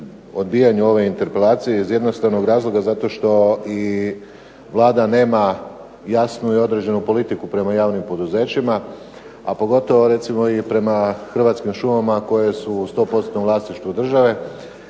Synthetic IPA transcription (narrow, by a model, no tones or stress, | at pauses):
o̞d̪biːjaɲuo̞ʋe̞int̪e̞ɾpe̞laːt̪sije̞izje̞d̪nost̪aʋno̞ɡɾaːzlˠo̞ɡazat̪o̞ʃt̪o̞i | ʋlˠaːd̪ane̞ːma | jasnuio̞d̪ɾe̞d͡ʑe̞nupo̞lit̪ikupɾe̞majaːʋnimpo̞d̪uze̞ːt͡ɕima | apo̞ɡo̞t̪o̞ʋoɾe̞t̪simoipɾe̞maxr̩ʋat̪skimʃumamako̞je̞sust̪o̞po̞t̪sot̪noʋlˠaːsniʃt̪ʋud̪r̩ʒaʋe̞